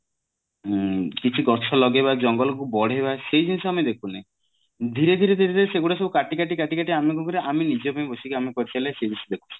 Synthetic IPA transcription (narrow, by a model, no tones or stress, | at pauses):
kit͡ʃʰiɡɔɾt͡ʃʰɔlɔɡebad͡ʒɔŋɡɔlɔkubɔɽ̤ebasejd͡ʒinisɔamed̪ekʰuna | d̪ʱiɾed̪ʱiɾed̪ʱiɾed̪ʱiɾeseɡuɽas̬ɔbukaʈikaʈikaʈikaʈiamek̬ukɔɾeʔaminid͡ʒɔpaj̃bɔsikiamekɔɾit̪alased͡ʒisd̪ekʰu̥t͡ʃi̥